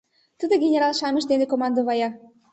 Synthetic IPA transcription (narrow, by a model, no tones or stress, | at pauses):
t̪əd̪oɡʲenʲeɾɑlˠʃɑmə̆ʃd̪enekomɑnd̪oβɑjɑ